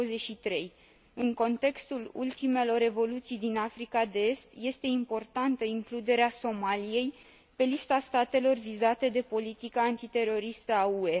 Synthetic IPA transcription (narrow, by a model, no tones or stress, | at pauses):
əzeʃit̪ɾe̞j | ɨŋko̞nt̪e̞kst̪ulṵlt̪ime̞lo̞re̞vo̞lut̪sijd̪inafɾikad̪ee̞st̪je̞st̪e̞impo̞rt̪ant̪əiŋklud̪e̞ɾeaso̞malije̞j | pe̞list̪ast̪at̪e̞lo̞rvizat̪e̞d̪e̞po̞lit̪ikaːnt̪it̪e̞ɾo̞ɾist̪əaue̞